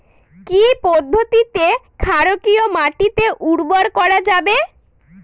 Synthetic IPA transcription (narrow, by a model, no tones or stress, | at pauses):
kipɔd̪ʱːot̪it̪ekʰaɾokiomaʈit̪eʔuɽboɾkɔɾad͡ʑabe